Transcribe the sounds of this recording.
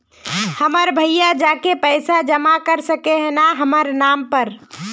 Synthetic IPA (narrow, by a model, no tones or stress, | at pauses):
həməɾbʱəɪjad͡ʒakepəɪsad͡ʒəmakəɾsəkeɦnaɦəməɾnampəɾ